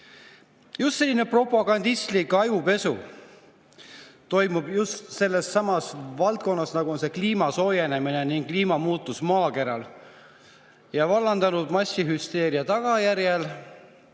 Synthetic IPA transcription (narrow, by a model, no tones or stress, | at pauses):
just̪se̞lːinepro̞pːˑɑɡ̥ɑnd̪ist̪likːɑjupe̞sṵ | t̪o̞jmub̥just̪se̞lːe̞sːɑmɑsvɑlt̪̚ko̞nːɑsnɑɡ̥uonse̞kliːmɑso̞ːjene̞mine̞niŋɡkliːmɑmuːt̪ːˑusmɑːke̞ɾɑl | jɑvɑlːɑnd̪̥ɑnud̪̥mɑsʲiɦyst̪e̞ːɾiɑt̪ɑɡ̥ɑjæɾjel